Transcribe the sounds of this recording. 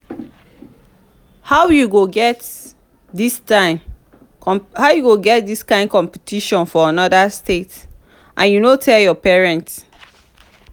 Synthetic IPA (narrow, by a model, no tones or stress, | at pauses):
haʊjuɡoɡɛt | distaɪ | haʊjuɡoɡɛt̚diskãɪ̃ndkɔ̃mpitʰiʃɔ̃nfɔanɔdastet | ʔãnjunotʰɛljɔpɛɹɛ̃nts